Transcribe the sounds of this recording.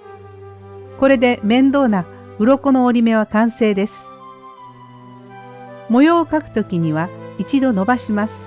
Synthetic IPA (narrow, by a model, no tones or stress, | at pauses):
ko̞ɾe̞d̪e̞mẽ̞nd̪o̞ːna | ɯ̟ɾo̞ko̞no̞ːɾʲime̞β̞akãɰ̃se̞ːd̪e̞sɨ̥ | mo̞jo̞ːkakɯ̟̥t̪o̞kʲiɲ̟iβait͡ɕid̪o̞no̞baɕimasɨ̥